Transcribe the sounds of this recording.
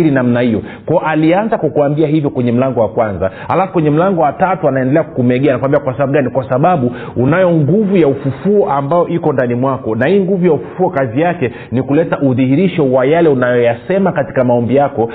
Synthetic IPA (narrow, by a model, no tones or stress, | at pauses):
ɾinamnahijɔ | kwaɔʔalianzakwakuambiahivjɔkwɛɲɛm̩laŋɡɔwakwanza̰halafukwɛɲɛm̩laŋɡɔwatatuanaɛndɛlɛaku̥kumɛɠɛanakwambiakwasaɓaɓuɠanikwasaɓaɓuunajɔŋɡuvujaufufuɔʔambajɔʔikɔndanimwakɔnahiːŋɡuvujaufu̥fuɔkazijakɛ | nikulɛtaʔuðihiɾiʃɔwajalɛunajɔjasɛmakati̥kamaɔmbijakɔ